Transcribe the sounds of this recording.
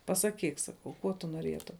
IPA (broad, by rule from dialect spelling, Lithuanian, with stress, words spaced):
pɐsɐˈkʲiːk ˈsɑːkɐʊ ˈkuɔ tʊ nuɔˈrʲiɛtʊm